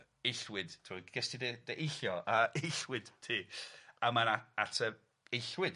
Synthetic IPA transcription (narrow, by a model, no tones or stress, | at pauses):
ejɬwɪd̥tʰɪmɔɡ̥ɛstidɛd̥eʔejɬjɔʔaejɬwɪd̥tʰiːamanaatʰə | ejɬwɪd̥